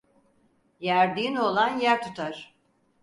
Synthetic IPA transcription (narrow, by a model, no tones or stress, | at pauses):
jæɾd̪ino̞lˠanjæɾt̪ʰut̪ʰaɾ̥